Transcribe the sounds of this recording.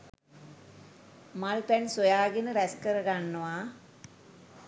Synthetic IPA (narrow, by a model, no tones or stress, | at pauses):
malpænsojaːɡenəɾæskəɾəɡanːəʋa